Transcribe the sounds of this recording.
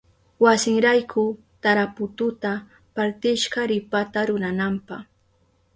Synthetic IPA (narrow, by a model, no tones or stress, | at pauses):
wasɪŋɾajkʰʊ | t̪aɾapʊt̪ʊt̪a | paɾt̪ɪʃɢɑɾɪpat̪aɾʊɾanampɑχ